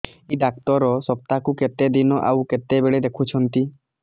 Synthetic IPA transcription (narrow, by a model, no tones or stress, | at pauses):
iɖak̚t̪ɔɾɔsɔp̚t̪akuket̪ed̪inɔʔa̰wket̪ebeɭed̪ekʰut͡ʃʰɔnt̪i